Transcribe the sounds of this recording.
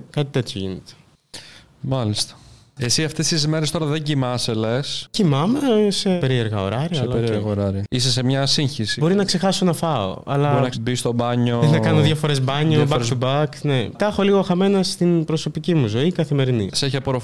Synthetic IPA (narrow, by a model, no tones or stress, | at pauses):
kɐt̪it̪e̞t̪joʝḭnḛt̪e̥ | mɐlist̪ɐ̥ | esiɐft̪e̞st̪izmeɾest̪oɾɐðeɲɟimɐselescimɐmesepe̞ɾie̞ɾɣɐo̞ɾɐɾiɐlɐeɾieɾɣɐoɾɐɾiisesemɲɐsiɲçisibo̞ɾinɐkse̞xɐsonɐfɐo̰ɐ̰lɐɾnɐbist̪o̞bɐɲoðeθɐkɐnoðʝɐfo̞ɾe̞zbɐɲobɐɾbɐknet̪ɐxo̞liɣoxɐme̞nɐst̪inbɾoso̞picimuzo̞ikɐθime̞ɾinḭseçeɐpoɾo